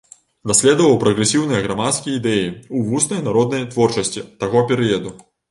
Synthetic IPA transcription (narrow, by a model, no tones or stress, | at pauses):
d̪asʲlʲɛd̪ɐvɐwpɾɐɣɾɛsʲiwnɨjɐɣɾamat̪skʲijid̪ɛjiuvusnɐjnaɾɔd̪nɐjt̪vɔrt͡ʂɐsʲt͡sʲit̪aɣɔpʲɛɾɨjɐd̪u